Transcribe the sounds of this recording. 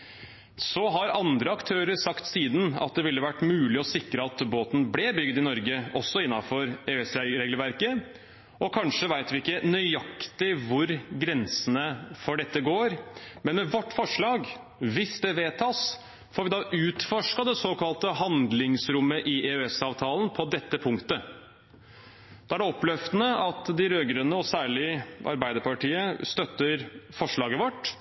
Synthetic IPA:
sɔɦɑɾɑnd̪ɾəɑkt̪ʰøːɾəɾsɑkt̪siːd̪n̩ɑ̰t̪̚d̪ɛʋɪlːəʋæʈːmʉːlɪɔsɪkɾəɑt̪boːt̪n̩blɛbʏɡd̪ɪnɔɾɡəɔsːɔɪnːɑfɔɾeɛsɾeːɡlʋæɾkə | ʔɔkʰɑnʂəʋæɪt̪ʋɪɪkːənœʏɑkt̪ɪʋʊɾɡɾɛnsənəfɔɖɛt̪ːəɡoːɾmɛnmɛʋɔʈːfɔʂɭɑːɡ | ʋɪsd̪ɛʋeːt̪ʰɑːs | fɔːɾʋɪd̪ɑːʔʉːt̪fɔʂkɑd̪ɛsoːkɑlt̪əhɑnd̪lɪŋsɾʊmːəʔɪʔeʉɛsɑːʋt̪ʰɑːlənpʰɔd̪ɛt̪ːəpʰʊŋkt̪ə | d̪̥ɑːæɖɛɔplœft̪ənəɑt̪d̪ɪɾøːɡɾənːəɔsæːɭɪəʔɑ̰ɾbæɪd̪əɾpɑʈiːəst̪œt̪ːəɾfɔʂɭɑːɡəʋɔʈ

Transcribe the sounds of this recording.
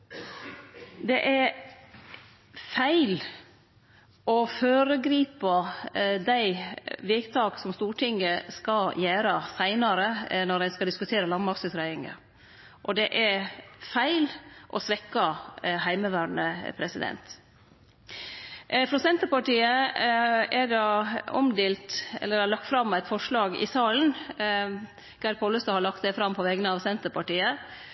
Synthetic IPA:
d̪ɛʔæɾ | fæɪl | ɔføːɾəɡɾiːpɑd̪æɪʋɛːt̪ʰɑːɡsɔmst̪uːʈʰɪŋəskɑjæːɾɑsæɪnɑɾənɔɾæɪskɑd̪ɪskʉt̪ʰeːɾəlɑnmɑksʉsɾæɪɪŋə̰ | ʔɔd̪ɛʔæɾfæɪlʔɔsʋɛkːɑɦæɪməʋæːɳə̰pʰɾɛsɪd̪ɛ̰nt̪ | fɾɑsɛnt̪əɾpɑʈiːə | ɛɖɑɔ̰md̪eːlt̪ɛ̰lːəɾæɭɑk̚t̪fɾɑmːæɪt̪fɔʂlɑːɡɪ̰sɑːln̩ | ɡ̥æɾpʰɔləst̪ɑhɑɭɑkt̪sɛɪfɾɑmpʰɔʋɛɡənəɑʋsɛnt̪əɾpɑʈiːə

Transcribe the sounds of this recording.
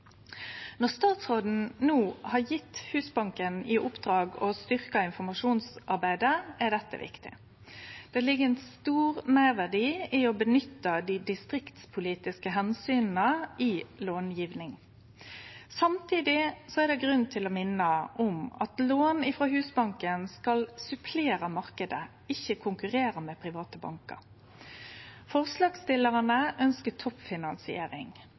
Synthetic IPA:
nɔʁst̪ɑːt̪sʁoːd̪n̩nuːhɑjɪt̪ːhʉːsbɑŋkənɪʔʊpd̪ʁɑːɡɔst̪ʏʁkɑɪnfɔmɑʂuːnsʔɑʁbæɪd̪əæʁd̪ɛt̪ːə̰ʋɪ̰kt̪ɪ̰ | d̪̥ɛlɪɡəɛnst̪uːʁmæːʁʋæʁd̪iːɪɔbənʏt̪ːəd̪id̪ɪst̪ʁɪkt̪spʰʊliːt̪ɪskəɦɛnsyːnn̩əiloːnjiːʋnɪŋ | sɑmt̪ʰiːd̪ɪsɔæʁd̪ɛɡʁʉnt̪ʰɪlɔmɪnːəʔɔmɑ̰t̪loːnɪfʁoɦʉːsbɑŋkənskɑlsʉpʰleːʁəmɑʁkəd̪ə | ɪçːəkʰʊŋkʉʁeːʁəmɛpʰʁɪʋɑːt̪əbɑ̰ŋkə̰ʁ | fɔʁslɑːɡst̪ɪlːəʁənəʔœnskət̪ʰɔpfɪnɑnsɪḛːɾɪ̰ŋ

